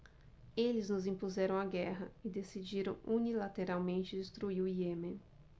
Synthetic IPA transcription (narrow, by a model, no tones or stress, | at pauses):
elɪznʊzĩpuzɛɾɐ̃w̃aɡɛɦɐɪd̪esid͡ʒiɾɐ̃w̃unilat̪eɾawmẽnt͡ʃɪd̪ɪst̪ɾuiʊiemẽ